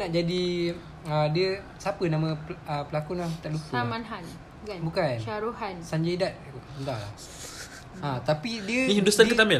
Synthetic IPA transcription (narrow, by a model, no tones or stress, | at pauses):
naʔd͡ʒadi | ədiə | sapənãmə̃əpəlakunat̪aʔlupəmanɦan | abukanʃaɾuhansaɲd͡ʒadat̪̚ənt̪ala̰ | ãt̪apidiəniidusankət̪amɪ